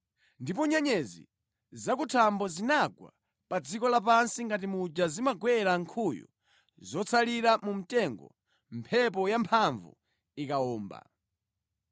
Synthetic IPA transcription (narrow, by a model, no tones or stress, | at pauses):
ndipɔɲɛɲɛzḭ | zak̬utʰambɔzinaɡwa̰ | pad͡zikɔlap̬ansiŋɡat̬imud͡ʒazimaɡwɛɾaŋkʰujɔ̰ | zɔt͡sʰaliɾamum̩tɛŋɡɔ̰ | mpʰɛp̬ɔjampʰaɱvṵ | ikaɔːmba̰